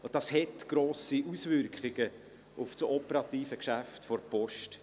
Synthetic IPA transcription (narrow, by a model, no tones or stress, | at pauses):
ʊdɑshɛtɡ̥ɾoːsiʔusvʏɾkχɪɡə | ʔʊft͡sɔpəɾɑt̪iːfəkʃæftfɔɾpɔʃt